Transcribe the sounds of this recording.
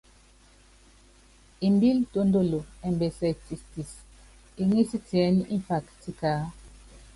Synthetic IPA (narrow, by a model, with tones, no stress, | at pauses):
i˨mbi˦lto˦ndo˦˨lo˨ɛ˨mbɛ˨sɛ˨ti˨sti˨s | i˦ŋi˦si˦ti˨ɛ˨˦ni˦ʔĩ˦ɱfa˨kti˦kaː˦